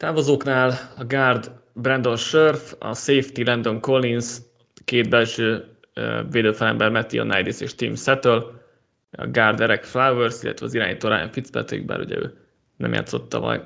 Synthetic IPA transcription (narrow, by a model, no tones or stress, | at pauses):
t̪aːvozoːknaːlɒɡaːrd̪brɛnd̪o̞nʃørfɒ̰seːft̪ilɛnd̪o̞ŋkolːins | keːd̪̚bɛlʃøː | veːd̪øːfɛlɛmbɛrmɛt̪io̰najd̪isḛːʃt̪imsɛt̪øl | ɒ̰ɡaːrd̪ɛɾɛkflawvørsilːʔɛ̰t̪ʋɛɒziɾa̰ːɲit̪oːɾaːjo̰ɱfit̪spɛ̰t̪øḭɡ̚ba̰ːɾhṵɟɛ̰ø̰ː | nɛ̰mja̰ːt̪so̞t̪ːɒ̰mɒ̰j